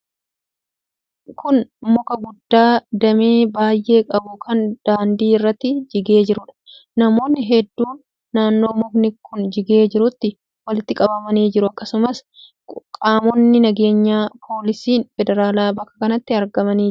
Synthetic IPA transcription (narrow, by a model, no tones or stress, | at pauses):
kʰʊnmɔkɐɡʊd̪ːaːd̪ɐmeːbaːjʔe̞ːkʼɐbʊkʰɐnd̪̥aːnd̪iːɪrːɐt̪ːɪd͡ʒɪɡe̞ːd͡ʒɪɾʊᶑɐ̥ | nɐmo̞ːnːɪɦɛd̪ːuːnː | aːnːo̞ːmʊknɪkʰːʊnd͡ʒɪɡeːd͡ʒɪɾʊt̪ːɪ | wɐlɪt̪ːɪkʼɐbɐmɐniːd͡ʒɪɾʊɐkːɐsʊmɐs | kʼaːmɔnːɪnɐɡe̞ːɲːaːpʰo̞ːlɪsiːnfɛd̪ɛɾaːlaːbɐkːɐ̥kɐnɐt̪ːɪɐɾɡɐmɐniː